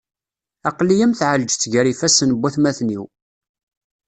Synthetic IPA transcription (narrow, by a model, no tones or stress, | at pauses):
ɑqlijəmθʕəld͡ʒt͡sːʝəɾifæsənəbːæθmæθniw